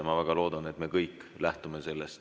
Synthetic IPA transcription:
mɑvæɡ̥ɑlo̞ːd̪ɑne̞t̪me̞kɤjkːlæht̪ume̞se̞lːest̪

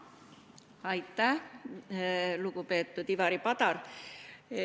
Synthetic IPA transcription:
ɑjt̪ːæh | lukupe̞ːt̪ːud̪ivɑɾipɑt̪ɑr

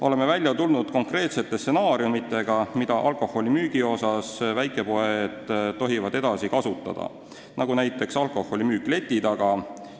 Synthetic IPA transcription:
o̞le̞me̞vælʲjɑt̪ulnud̪̥ko̞ŋkre̞ːt̪se̞t̪ːˑesse̞nɑːɾiumit̪ːˑe̞ɡ̥ɑmid̪̥ɑʔɑlko̞ho̞limyːɡ̥io̞sɑsvæjkˑe̞po̞ed̪̥ːo̞ɦivɑd̪̥e̞d̪̥ɑsikɑsut̪ːˑɑ̰d̪̥ɑ̰ | nɑɡunæjt̪ːˑe̞ksɑlkˑo̞ho̞limyːkle̞t̪ʲːˑit̪ɑɡ̥ɑ

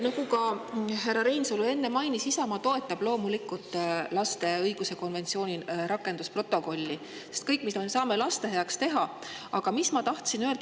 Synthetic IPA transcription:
nɑɡ̥ukɑɦerːɑɾe̞jnsolue̞nːemɑjnisisɑmɑt̪o̞e̞t̪ːˑɑb̥lo̞ːmulikːˑult̪ːˑlɑst̪e̞ɤjɡuse̞ko̞nve̞nt̪sio̞ːnʲiɾɑkːˑe̞nd̪uspro̞t̪ːˑo̞ko̞lʲːi | se̞st̪̚kɤjkːˑmismesɑːme̞lɑst̪e̞ɦe̞ɑkst̪e̞ɦɑ | ɑɡ̥ɑmismɑt̪ɑht̪sinøld̪

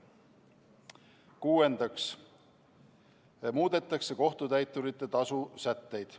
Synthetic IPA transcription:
kuːe̞nd̪ɑks | muːd̪̥e̞t̪ːˑɑkse̞ko̞ht̪ut̪æjt̪ːˑuɾit̪ːˑe̞t̪ɑsusæt̪ːe̞jd̪̥

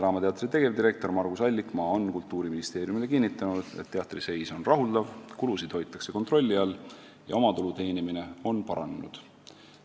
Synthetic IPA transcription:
tɾɑːmɑt̪e̞ɑt̪rit̪e̞ɡ̥e̞vd̪iɾe̞k̚t̪o̞rmɑrɡ̥usɑlʲːikˑmɑo̞nkult̪ːˑuːɾiminist̪e̞ːɾjumile̞kinːit̪ːˑɑnud̪̥et̪ːeɑt̪ːˑrise̞jso̞nrɑɦuld̪̥ɑvkulusid̪̥ho̞jt̪ːˑɑkse̞ko̞nt̪ro̞lʲːiɑl | jɑ̰o̞mɑt̪ulut̪e̞ːnimine̞o̞npɑɾɑ̰nenṵd̪̥

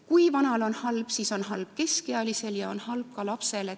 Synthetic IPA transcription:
kujvɑnɑlo̞nhɑlb̥siːso̞nɦɑlb̥ke̞skeɑlise̞ljɑo̞nhɑlb̥̚kɑlɑpse̞le

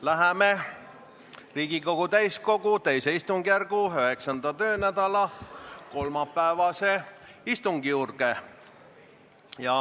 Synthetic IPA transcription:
læɦeme | riːɡ̥iko̞ɡ̥ut̪æjsko̞ɡut̪ejseist̪uŋɡ̥ijærɡuøɦe̞ksɑnd̪̥ɑt̪ø̞ːnæd̪̥ɑlɑko̞lmɑpːæevɑse̞ist̪uŋɡ̥ijuːrɡ̥e | jɑ

